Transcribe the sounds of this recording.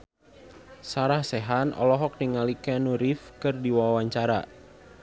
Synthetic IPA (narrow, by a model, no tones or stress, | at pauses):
saɾahsɛɦanɔ̰lɔɦɔk̚niŋalikɛnuɾifkɨrdiwawaɲt͡ʃaɾa̰